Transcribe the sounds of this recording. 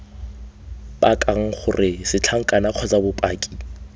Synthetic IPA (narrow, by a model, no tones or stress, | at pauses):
pʼakʼaŋ̩χʊrʔɪsɪt͡ɬʰaŋ̩kʼanaq͡χʰɔd͡zabʊpʼaːkʼi̥